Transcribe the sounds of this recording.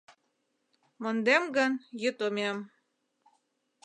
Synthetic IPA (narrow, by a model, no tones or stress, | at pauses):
mŏnd̪emɡɤnjə̆t̪omʲem